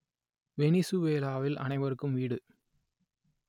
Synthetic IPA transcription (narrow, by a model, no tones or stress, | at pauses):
ʋɛnɪsuʋeːlaːʋɪlʔɐ̰nɐɪʋɐɾɯkːɯmʋiːɽɯ